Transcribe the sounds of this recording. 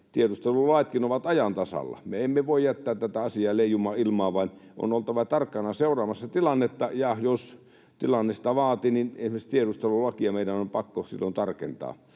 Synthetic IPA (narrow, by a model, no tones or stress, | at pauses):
t̪ierust̪elulɑˑet̪kinoʋɑt̪ɑjɑnt̪ɑsɑ̰lːɑ̰meemːeʋoˑijjæt̪ːæːt̪t̪ːæt̪æɑsiɑːleˑijumɑːilmɑːʋɑino̰nolt̪ɑʋɑt̪ɑrkːɑnɑseˑurˑɑːmɑsːɑt̪ilɑnːet̪ːɑjɑjos | t̪ilɑnːesi̥t̪ɑʋɑːt̪ininensmest̪ieɾust̪elulɑkiɑmeˑidænompɑkːosḭlːont̪ɑrkḛnt̪ɑ̰ː